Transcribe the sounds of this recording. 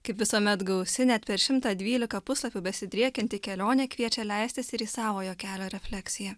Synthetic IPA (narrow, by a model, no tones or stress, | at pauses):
kɐɪpʋʲɪsuɔmʲɛt̪ɡɐʊsʲɪnʲɛt̪pʲɛɾʃʲɪmt̪ɑd̪ʲʋʲiːlʲɪkɐpʊslˠɐpʲubʲɛsʲɪd̪ʲɾʲiɛkʲɛnʲt̪ʲɪkʲɛlʲoːnʲeːkʋʲiɛt͡ʃʲɛlʲɛɪst̪ʲɪsɪɾiːsɑːʋoːjoːkʲæːlʲoːɾʲɛfʲlʲɛksʲɪjɛ